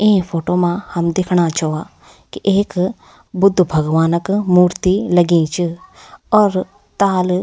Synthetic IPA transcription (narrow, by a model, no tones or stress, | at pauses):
ẽːpʰoːʈoːmãhɐmd̪ekʰɽ̃at͡ʃoʋaː | kiʔeːk | bʊd̪ʱːbʱəɡʋaːnəkmuːɾt̪iləɡĩːt͡ʃiɔːɾ | t̪aːl